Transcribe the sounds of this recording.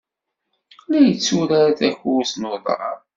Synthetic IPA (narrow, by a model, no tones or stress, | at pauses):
læjət͡sːuɾaɾθæçuwsnoðˤɾˤɑ̰ɾ